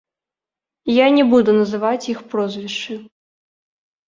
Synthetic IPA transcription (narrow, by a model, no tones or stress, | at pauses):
janʲɛbud̪unɐzɨvat͡sʲjixpɾɔzʲvʲiʂt͡ʂɨ